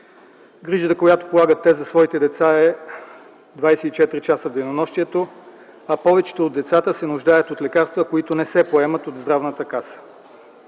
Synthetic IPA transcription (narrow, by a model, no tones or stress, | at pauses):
ɡɾiʒət̪əkojat̪o̥polˠaɡət̪ːɛzɐsvɔit̪ɛd̪ɛt̪saɛ | d̪vajsɛit͡ʃɛt̪ɾit͡ʃasəvd̪ejnonɔʃt̪iɛt̪o | ɐpɔvɛt͡ʃɛ̥t̪ood̪ːɛt̪sat̪əsɛnʊʒd̪ajət̪ot̪lɛkaɾst̪vəkoit̪onɛsɛpoɛmət̪od̪zd̪ɾavnət̪əkasə̥